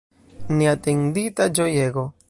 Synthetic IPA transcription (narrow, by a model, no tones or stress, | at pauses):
niat̪eŋd̪it̪ad͡ʒojeɡo